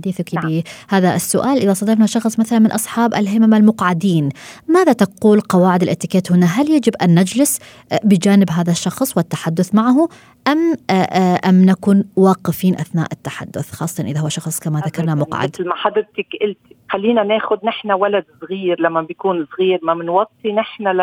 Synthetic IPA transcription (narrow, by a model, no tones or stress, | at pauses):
ħad̪iːθakibiːhaːðaʔɪsːʊʔaːlʔɪðasˤɑd̪ɑɾnaʃɑxsˤmaθalanmɪnʔɑsˤħɑːba̰lɦɪmamalmʊqʕad̪iːnmaːðat̪aquːlqɑwaːʕɪd̪ɪlʔɪt̪ːɪkeːt̪hʊnaɦaljad͡ʒɪbʔanːad͡ʒlɪs | bɪd͡ʒaːnɪbɦaːðaʃːɑxsˤwɪt̪ːḁħad̪ːʊθmaʕɦʊ | ʔamʔʔamnakuːnwɑːqɪfiːnʔaθna̰ːʔɪt̪ːaħa̰d̪ːʊ̰θxɑ̰ːsˤːɑt̪ɑnʔɪðaʊwːaʃɑxsˤkamaðakɑɾnamʊqʕa̰d̪lmaħad̪ɪɾt̪ɪkʔɪlt̪ixalːiːnaneːxʊd̪nɪħnawalad̪sɣiːɾlamːabɪjkuːnsˤɣiːɾmamɪnwɑt̪ˤːinɪħnal